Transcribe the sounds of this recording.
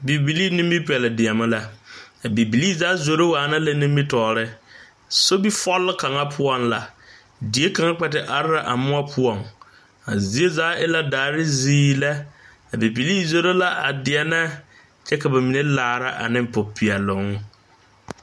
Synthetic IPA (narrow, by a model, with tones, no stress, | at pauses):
bi˨bi˨liː˦nĩ˦mbi˦pi˨ɛ˨lɪ˨dɪ˨a˨ma˦la˨a˨bi˨bi˨li˦zaː˨˦zo˨ɾo˦waː˨na˦la˦nĩ˦mbi˦tɔː˨ɾɪ˦ | so˦bi˦fɔ˦lːɪ˦ka˨ŋa˦pʰʊ˦ɔ˦nla˨ | di˨˦e˦ka˨ŋa˦k͡pɛ˨tɪ˨ʔa˨ɾɪ˦ɾa˨ʔa˨mʊ˦a˦pʰʊ˦ɔ˨ŋ | a˨zi˨˦e˦zaː˨˦ʔɪ˦la˦daː˨˦ɾɪ˦ziː˦la˦ | a˨bi˨bi˨liː˦zo˦˨ɾo˦la˦ʔa̰˨dɪ˨ɛ˦na˦ | t͡ʃɛ˦ka˨ba˨mi˨ne˦laː˨ɾa˦ʔa̰˨nɪ̃˦m˨pʊ˨pʰi˨ɛ˨lʊ˨˦ŋ˦